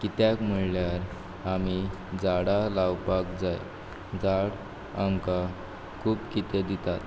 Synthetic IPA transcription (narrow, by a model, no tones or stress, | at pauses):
kit̪jakm̤əljaɾ | amid͡zaɽalawpakd͡zaj | d͡zaɽ | amka | kʰuːpkit̪ed̪it̪at̪